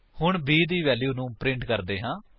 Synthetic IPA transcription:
hʊɳbiːd̪iːʋɛːljuːnũːpɾɪ̃ɳʈkəɾd̪eːɦãː

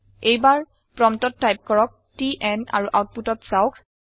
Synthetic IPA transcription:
ejbaɹ | pɹɔmtɔtːajp̚kɔɹɔk̚tiʔɛna̰ɹuʔawt̚putɔtsawkʰ

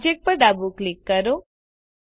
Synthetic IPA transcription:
d͡ʒek̚pəɾɖabuklɪkːəɾo

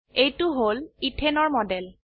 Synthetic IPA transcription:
ejtʊɦolitʰenɔɹmɔdɛl

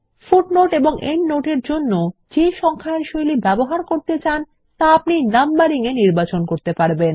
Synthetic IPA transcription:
fuʈnoʈeboŋʔennoʈeɾd͡ʑonːod͡ʑeʃɔŋkʰaeɾʃojlibɛboɦaɾkoɾt̪et͡ɕan | t̪aapninambaɾiŋeniɾbat͡ɕonkoɾt̪epaɾben

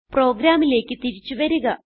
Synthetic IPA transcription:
pro̞ːɡɾaːmile̞ːkːɨt̪iɾit͡ɕːuʋɐɾuɣɐ

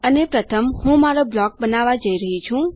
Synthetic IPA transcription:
ənepɾət̪ʰəmhũmaɾoblɔk̚bənaʋad͡ʒəiɾəɦit͡ʃʰũ

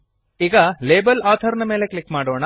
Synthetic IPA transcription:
iɡɐleːbɐlaːt̪ʰɐɾɐnɐmeːle̞klikːmaːɽoːɳɐ

